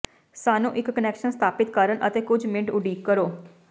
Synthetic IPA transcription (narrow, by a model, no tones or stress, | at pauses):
saːnũːʔɪkːənɛːkʃənst̪ʰaːpɪt̪kəɾənʔə̰t̪eːkʊd͡ʒmɪ̃ɳʈʊɖiːkːəɾoː